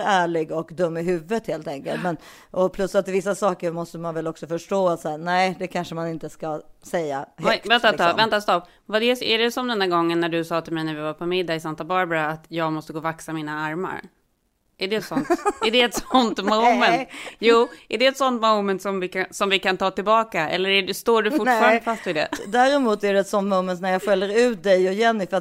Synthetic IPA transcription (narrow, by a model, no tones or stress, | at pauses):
æːɭɪɡɔkd̪ɵmːɪɦʉ̟ːvət̪heːlt̪ɛŋkəlt̪mɛn | ʔɔpʰlɵsːat̪ːɪvɪs̬ːasɑːkəɾmɔst̪əmanvɛlɔksɔfœʂʈoːat̪sæːnɛɪd̪ɛkʰanʂəmanɪnt̪əskasɛjːa̰hɛkvɛnt̪aɑvɛnt̪ast̪ɔpː | vad̪ɛæɖɛsɔmd̪ɛnd̪æːɡɔŋːənːæɖɵsɑːt̪ʰɪlmɛjnæɾvɪvapʰɔmɪd̪ːaɪsant̪abɑːɾbɾaat̪jɑːɡmɔst̪əɡoːvaksamiːnaaɾma̰ɾ | ʔæɖɛɛt̪sɔnntæɖɛːt̪sɔnt̪mɔmɛnt̪juːæɖɛːt̪sɔnt̪moʊmɛnt̪sɔmvɪkasɔmvɪkant̪ʰɑːt̪ɪlbɑːkaɛ̰lːəɾæɖɛst̪oːɖɵʈfʊfɑːɾand̪əfast̪vɪd̪ɛ̰d̪æːɾɛmuːt̪æɖɛɛt̪sɔnt̪mɔʊmɛnt̪næɾjɑːɡɧœljːəɾʉ̟ːt̪̚d̪ɛjɔjɛnːɪfat̪